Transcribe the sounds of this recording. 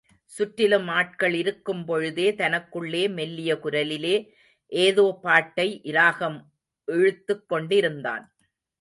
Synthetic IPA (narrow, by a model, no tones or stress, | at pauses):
sʊʈːɪlɯmaːʈ̚kɐɭɪɾɯkːɯmpɔɻɯðeːt̪ɐnɐkːɯɭːeːmɛlːɪjɐkʊɾɐlɪleː | ʔeːðoːpaːʈːɐɪʔɪɾaːɣɐm | ʔɛɻɯt̪ːɯkːɔɳɖɪɾɯnd̪a̰ːn